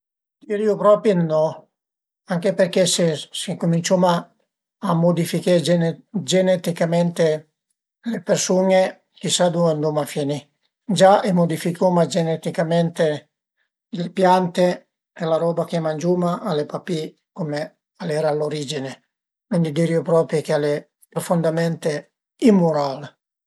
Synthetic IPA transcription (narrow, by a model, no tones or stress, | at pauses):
d̪iɾiopɾɔpjinːɔ | aŋkeperkesesikumint͡ʃoma | amod̪ifiked͡ʒend͡ʒenɛt̪ikamɛnt̪e | lepersuŋe | k̟isad̪uand̪umafjeni | d͡ʒaemod̪ifikomad͡ʒenɛt̪ikamɛnt̪e | lepjant̪e | elaɾɔːbakemand͡ʒuːmaʔalepapi | kome | alɛɾaloɾiːd͡ʒine | kwind̪id̪iɾjopɾɔpɾjokeale | pɾofond̪amɛnt̪e | imːoɾal